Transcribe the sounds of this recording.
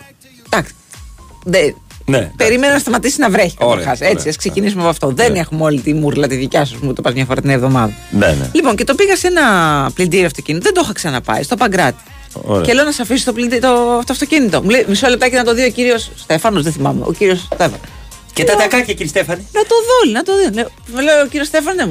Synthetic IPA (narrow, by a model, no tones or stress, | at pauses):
d̪̥ɐksi̥ðenepeɾimenɐnɐst̪ɐmɐt̪isinɐvɾe̞çi̥xɐse̞t͡siɐskse̞cinis̬umepɐft̪o̞ðenexumeo̞lit̪imuɾlɐt̪iðicɐs̬usmut̪opɐzmɲɐfoɾɐt̪inevðo̞mɐðɐnen̰lipo̞nce̞t̪o̞piɣɐse̞nɐplind̪iɾiɐft̪o̞cinit̪oðed̪ooxɐksɐnɐpɐ̰ist̪opɐŋɡɾɐt̪i̥ | o̰cele̞onɐsɐfisi̥st̪oplid̪t̪oft̪oɐft̪o̞cinit̪o̞mulejmisole̞p̚t̪ɐcenɐt̪o̞ðio̞ciɾio̞sːt̪e̞fɐno̞zðeθimɐmḛʔo̰ciɾio̞st̪efɐ̰n | ceɐt̪ɐkɐciciɾist̪efɐninɐt̪o̞ðolinɐt̪o̞ðine | meleociɾiost̪efɐnnemu